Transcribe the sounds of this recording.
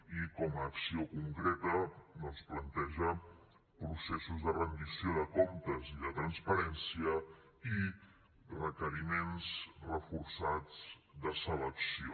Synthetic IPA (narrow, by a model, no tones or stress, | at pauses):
ikɔməːksiokuŋkɾet̪ənosplənt̪ɛʒə | pɾusesuzðərənd̪isioðəkɔmt̪əziðət̪ɾənspəɾɛnsiə | i | rəkəɾimensrəfuɾsad͡zd̪əsələksio̰